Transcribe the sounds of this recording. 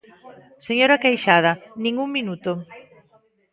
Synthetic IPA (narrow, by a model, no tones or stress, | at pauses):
seɲoɾɐkejʃað̞ɐnĩŋuŋminut̪o